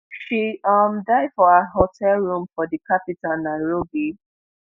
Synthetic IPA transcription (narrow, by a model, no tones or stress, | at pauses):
ʃiʌmdaɪd̥fɔaɦɔtʰɛlɹũmfɔdikapitãnnːaɪɹobi